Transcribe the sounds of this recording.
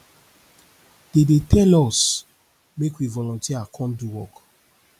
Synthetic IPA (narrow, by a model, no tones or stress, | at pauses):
d̥edetʰɛlɔs | mekwivɔlɔ̃ntʰiakʰɔ̃nduwɔk